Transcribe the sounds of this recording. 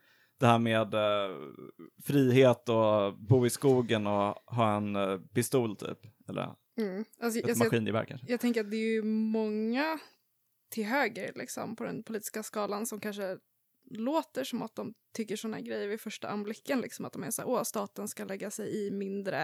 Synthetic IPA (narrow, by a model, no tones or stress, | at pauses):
d̪̥ɛhæːɾmeːd̪ | fɾiːheːt̪ɔbuːɪskuːɡənɔɦɑːɛnpɪst̪uːlt̪ʰy̰ːpɛlːə̰ | m̩ːʔas̬ɔmaɧiːnɪbæ̰ɾkʰanʂəjɑːt̪ʰɛŋk̬əɾat̪̚d̪ɛːjʏmɔŋːa | t̪ʰɪlɦøːɡəɾlʔɪ̰ksɔ̰mpʰɔd̪ɛ̰npʰʊliːt̪ɪ̥skaskɑːlansɔmkʰanʂə | loːt̪əʂɔmat̪̚d̪ɔmt̪ʰʏkːəʂɔnːahæ̰ːɾɡɾɛjːəɾvɪfœʂʈaʔamblɪkːənlɪ̰ksɔmat̪̚d̪ɔmæʂæ̰ːɾʔost̪ɑːt̪ənskalɛɡːasɛjɪmɪnd̪ɾə̰